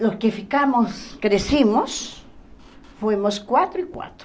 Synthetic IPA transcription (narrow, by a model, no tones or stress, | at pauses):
loskefikamoskɾesimos | fwemoskwat̪ɾoikwa̰t̪ɾo